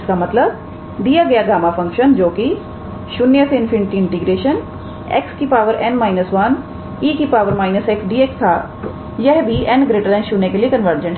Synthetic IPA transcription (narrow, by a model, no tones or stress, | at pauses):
skamɐt̪ləb | d̪ijaɡɐjaɡaːmafɐ̃ŋkʃənd͡ʒoːki | ʃʊnːjəseɪnfʰɪ̃ɳʈiɪ̃ɳʈiɡɾeːʃən | ḛːkskipaːʋəɾɛ̃nmaːɪnəsʋan | iːkipaːʋəɾmaːɪnəseksɖiːekst̪ʰaː | jɐɦbʱiɛnɡɾeːʈəlɛ̃ːʃʊnːekeliekɐnʋəɾd͡ʒə̃ɳʈ